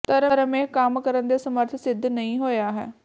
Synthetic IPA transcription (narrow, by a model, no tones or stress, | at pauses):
t̪əɾəɾəmẽːkamkəɾənd̪eːsəməɾt̪ʰsɪd̪ʱːnəĩːɦoːjaːɦɛ̰ː